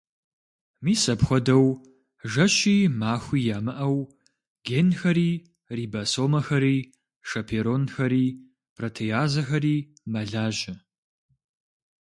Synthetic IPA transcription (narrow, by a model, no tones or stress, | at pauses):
miːsɐpxʷɔdɐw | ʒɐʃiːmaːxʷiːjaːmɨʔɐw | ɡ̥enxɐɾiː | riːbɐsoːmɐxɐɾiː | ʂɐpʰeɾonxɐɾiː | pʰrɐtʰejaːzɐxɐɾiː | mɐɮaːʒɪ